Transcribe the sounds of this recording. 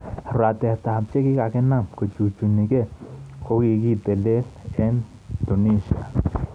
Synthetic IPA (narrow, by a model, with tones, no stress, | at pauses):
ɾa˨t̪e˨ht̪a˨ha˨pt͡ʃe˦ki˦ka˨ke˦na˦mku˨t͡ʃu˨t͡ʃu˨ni˨ke˦kʰo˦ki˧ki˦t̪e˨le˦le˦n | t̪u˨ni˦ʃa̰˨